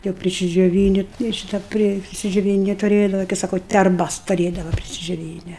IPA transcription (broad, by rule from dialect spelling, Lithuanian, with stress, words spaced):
jɛʊ pʲrʲɪsʲɪd͡ʒʲoːˈʋʲiːnʲɪ ɪr ˈʃʲiːtɐ ˈpʲrʲɪ pʲrʲɪsʲɪd͡ʒʲoːˈʋʲiːnʲɪ tʊˈrʲeːdɐʋɐ kɐɪ ˈsɑːkoː tʲɛrˈbɐs tʊˈrʲeːdɐʋɐ pʲrʲɪsʲɪd͡ʒʲoːˈʋʲiːnʲɛ